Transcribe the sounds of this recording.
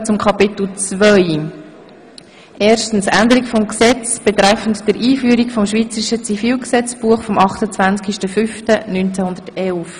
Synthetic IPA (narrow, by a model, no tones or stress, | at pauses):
t͡sʊmkʰɑpɪt̪l̩t͡svœʏ | ʔeːrʃtən̩sændəɾikfɔmksɛt͡sb̥et̪ɾæfən̩td̥əɾʔiːfyəɾikfɔmʃʋiːt͡səɾiʃət͡sifiːlksɛt͡sb̥uəχfɔmɑχtət͡svænt͡skiʃtəfʏftənynt͡sɛhʊnd̥̪ərtɛlf